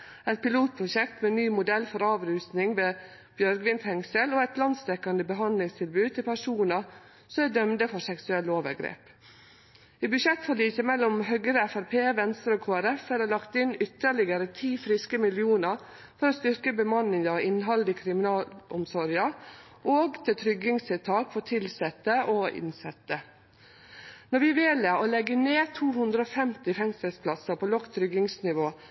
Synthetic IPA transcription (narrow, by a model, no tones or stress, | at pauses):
ɛt̪pɪluːt̪̚pʰɾʊʃɛkt̪meːnyːmʊd̪ɛlfɔɾɑːʋɾʉːst̪nɪŋʋeː | b̥jœɾɡʋɪnt̪hɛŋsəloːɛt̪lɑnd̪st̪ɛkːɑnd̪əbəɦɑnd̪lɪŋst̪ʰɪlbʉːd̪̚t̪ʰɪlpʰæʂuːnə | sɔmæd̪œmd̪əfɔʂɛksʉɛloːʋə̰ɾɡɾḛːp | iːbʉʃɛt̪ːfɔliːçəmɛlːɔmɦœɡəɾəæfæɾpʰeːʋɛnst̪əɾoːkʰoːæɾɛfæd̪ælɑkt̪ɪnʏt̪ːəɭɪɡəɾət̪ʰiːfɾɪskəmɪlɪuːnəɾ | fɔɾoːst̪ʏɾkəbəmɑnːɪŋɑɪnɦɑld̪ɪkʰɾɪmɪnɑːlʊmsɔɾjɑ | ʔoːɡt̪ʰɪt̪ʰɾʏɡɪŋst̪ʰɛt̪ʰɑːkfɔt̪ʰɪlsɛt̪əʔɔɪ̰nsɛt̪ːə | nɔɾʋɪʋeːləolɛɡəneːt̪ʰuːhʉnd̪ɾəɔfɛmt̪ɪfɛŋsəlspʰlɑsəpʰoːlɔkt̪ʰɾʏɡɪŋsnɪʋoː